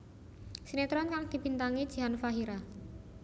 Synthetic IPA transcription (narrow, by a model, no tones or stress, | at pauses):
sinet̪ɾɔnkaŋd̪̥i̤b̥i̤nt̪aŋid̥ʒ̥i̤ɦanfaɦiɾa